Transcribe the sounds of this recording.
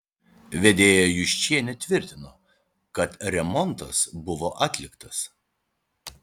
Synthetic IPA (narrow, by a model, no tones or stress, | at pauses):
ʋʲɛd̪ʲeːjojʊʃʲt͡ʃʲiɛnʲɛt̪ʲʋʲɪɾʲt̪ʲɪnoː | kɐt̪ɾʲɛmɔnˑt̪ɐsbʊʋoːʔɑːt̪ʲlʲɪkt̪ɐ̥s